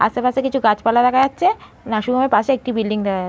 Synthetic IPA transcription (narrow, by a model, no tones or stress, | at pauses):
a̰sepasekit͡ɕʰuɡat͡ɕpalaɾakʰad͡ʑatːɕʰe | naʃuɡʱamepaseek̚ʈibilɖiŋd̪ekʰaa